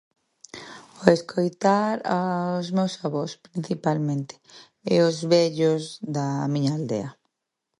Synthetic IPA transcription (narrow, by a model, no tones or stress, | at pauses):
oeskʰojt̪aɾaʊzmewsaβospɾin̟θipalmẽnt̪ɪ̥ | ɪʊzβɛʎʊzðamĩɲaːld̪ḛɐ